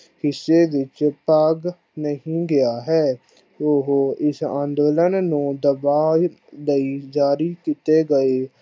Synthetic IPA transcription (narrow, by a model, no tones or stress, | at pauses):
hɪsːeːʋɪt͡ʃpaːɡ | nəɦĩːɡɪjaːɦɛː | oɦoːɪsã̰ːnd̪oːlənːũːd̪əbaː | ləiːd͡ʒaːɾiːkit̪eːɡəeː